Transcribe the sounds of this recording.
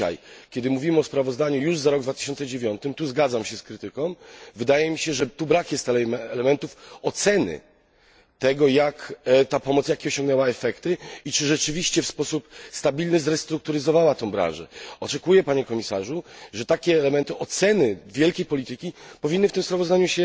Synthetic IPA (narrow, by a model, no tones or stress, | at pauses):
a̰jkʲɛd̪ɘmuvʲimɘɔspɾavɔzd̪aɲujuʐzaɾɔɡd̪vat̪ɘ̥ɕɔnt̪sɛd͡ʑevʲjɔnt̪ɘmt̪uzɡad̪zamɕɛskɾɘt̪ɘkɔ̃w̃vɘd̪ajɛmʲiɕɛʐɛt̪ubɾakjɛst̪ɛɛlɛmɛnt̪ufɔt̪sɛnɘ̰ | t̪ɛɡɔjakt̪apɔmɔt̪sjakʲiɔɕɔŋɡnɛwaɛfɛkt̪ɘit͡ʂɘʐɛt͡ʂɘvʲiɕt͡ɕɛfspɔsupst̪abʲilnɘzɾɛst̪ɾuk̚t̪uɾɘzɔvawat̪ɔ̃w̃bɾã̰nʐɛ̰ɔt͡ʂɛkujɛpaɲɛkɔmʲisaʐuʐɛt̪akʲɛːlɛmɛnt̪ɨʔɔt̪sɛnɘvʲjɛlkʲejpɔlʲit̪ɘkʲipɔvʲinːɘft̪ɘmspɾavɔzd̪aɲuɕɛ